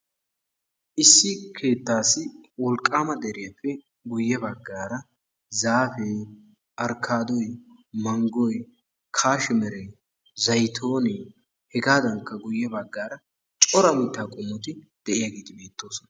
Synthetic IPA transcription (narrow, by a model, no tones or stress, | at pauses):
ʔɪsːɪkʰe̞ːt̪ːaːsɪwɔlkʼːaːmɐd̪ɛɾɪjɐpːɛ | ɡʊjːɛbɐɡːaːɾɐ | zaːfeː | ʔɐɾkʰːaːd̪ɔj | mɐŋɡɔj | kʰaːʃɪmɛɾɛ | zɐjt̪ʰo̞ːne | hɛɡaːd̪ɐŋkːɐɡʊjːɛbɐɡːaːɾɐ | t͡ʃʼɔɾɐmɪt̪ːaːkʼʊmːɔt̪ɪ | d̪̥ɛʔɪjaɡeːt̪ɪbe̞ːt̪ːo̞ːsɔnɐ